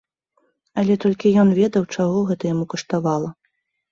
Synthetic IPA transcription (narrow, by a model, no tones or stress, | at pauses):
ɐlʲɛt̪ɔlʲkʲijɔnvʲɛd̪ɐwt͡ʂaɣɔɣɛt̪ɐjamukɐʂt̪avalˠɐ